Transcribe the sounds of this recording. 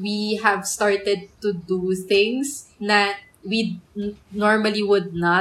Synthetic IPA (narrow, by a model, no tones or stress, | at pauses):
wiɦɛvst̪aɹt̪ɛd̪̚t̪ud̪uθɪ̃ŋsnɐ | wi | nɔɹmɐliwʊd̪̚nɐ